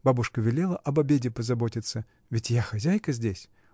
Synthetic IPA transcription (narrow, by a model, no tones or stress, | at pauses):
babʊʂkəvʲɪlʲelˠəʔɐbɐbʲedʲɪpəzɐbo̞tʲɪt̪sə | vʲɪtʲjaxɐzʲæjkəzʲdʲesʲ